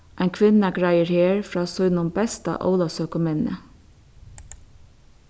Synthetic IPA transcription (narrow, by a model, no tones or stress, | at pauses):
ʔæɪkʰʋɪnəɡɹæɪəɹheːɹfɹɑːsɔʏnʊmbɛst̪ɑ̰ʔo̰ʊlɑsøːkʊmɛnə̰